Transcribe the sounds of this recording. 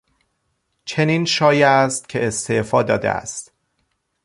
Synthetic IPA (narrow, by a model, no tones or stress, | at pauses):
t͡ʃʰeniːnʃɒːjæst̪̚cʰe̞est̪ʰefɒːd̪ɒːd̪ḛʔæ̰st̪